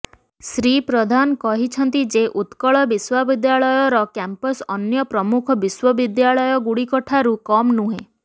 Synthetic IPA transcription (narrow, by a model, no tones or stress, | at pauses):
sɾipɾɔd̪ʱanɔkɔɦit͡ʃʰɔnt̪id͡ʒeʔut̪kɔɭɔbiswabid̪jaɭɔjɔɾɔkampɔsɔnjɔpɾɔmukʰɔbiswɔbid̪jaɭɔjɔɡuɽikɔʈʰaɾukɔmnuɦẽ